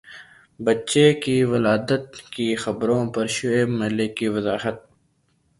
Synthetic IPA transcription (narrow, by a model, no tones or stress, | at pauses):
bɐtːʃekiʋɐlaːd̪ət̪̚kixɐbɾõpɐɾʃʊeːmɐlekːiʋɐzaːɦət̪̚